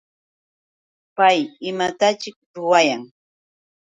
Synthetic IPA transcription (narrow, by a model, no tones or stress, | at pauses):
pajɪmat̪at͡ʃɪk̚ɾʊwajaŋ